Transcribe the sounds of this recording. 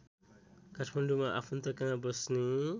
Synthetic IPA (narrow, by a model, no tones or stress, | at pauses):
katʰmanɖumaʔa̰pʰunt̪ʌkãŋbʌsni